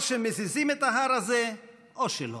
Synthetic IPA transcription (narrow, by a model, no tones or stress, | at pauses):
ʃemezizimet̪aɦaɾaze | oʃelo